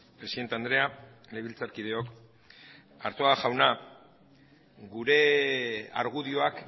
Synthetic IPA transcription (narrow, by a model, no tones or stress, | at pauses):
pɾe̞siðe̞nt̪e̞and̪ɾe̞a | leβilt͡saɾkiðe̞o̞k | a̰ɾt̪oaʝawna | ɡuɾe̞ | a̰ɾɣ̞uðio̞ak